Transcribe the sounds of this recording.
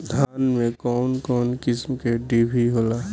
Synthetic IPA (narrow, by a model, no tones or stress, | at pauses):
d̪ʱaːnmẽkɔːnkɔːnkɪsmkeɖibʱiɦoːlaː